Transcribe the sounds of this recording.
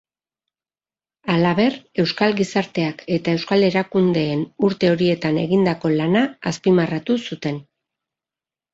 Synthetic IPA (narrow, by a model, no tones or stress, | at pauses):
alaβe̞re̞wskalɡɣisaɾt̪e̞ake̞t̪ae̞wskale̞ɾakund̪e̞ːnuɾt̪e̞o̞ɾie̞t̪ane̞ɣind̪ako̞lanaːspimarat̪usut̪e̞n